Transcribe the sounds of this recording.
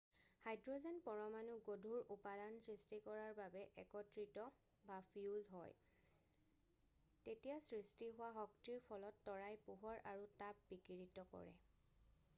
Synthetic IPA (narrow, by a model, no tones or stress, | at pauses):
hajdɹɔzɛnpɔɹɔmanuɡodʱuɹupadansɹistikɔɹaɹbabɛʔɛkɔtɹitɔ | bapʰiuldɦɔ̰j | tetijasɹistiɦʊwaɦɔktiɹpʰɔlɔtːɔɹajpuɦɔɹʔaɹutap̚bikiɹitɔkɔ̰ɹɛ̰